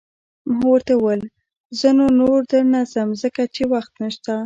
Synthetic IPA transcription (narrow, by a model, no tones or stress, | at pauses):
mɦawəɾt̪awəl | zənonoɾd̪ənazəmzəkat͡ʃewaxt̪nəʃt̪a